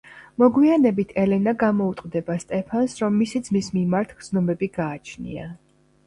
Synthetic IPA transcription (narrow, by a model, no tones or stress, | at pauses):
mɔɡwianɛbit̪ʰɛlɛnaɡamɔut̪ʼqʼd̪ɛbast̪ʼɛpʰansɾɔmːisid̪zmismimaɾt̪ʰɡd̪znɔmɛbiɡaːt͡ʃʰnḭa̰